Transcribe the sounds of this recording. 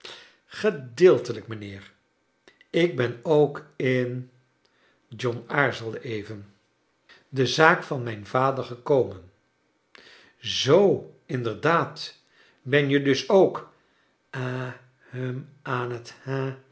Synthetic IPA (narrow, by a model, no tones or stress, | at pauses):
χədɪːlˠtələkmənɪːɹ | ɪɡ̚bɛnowkɪn | d͡ʒɔnaːɹzəlˠdəʔejvən | dəzaːkfɑnmɛjnvaːdəɹχəkowmən | zowɪndəɹdaːt | bɛnjədɵsowk | a | həmaːnətha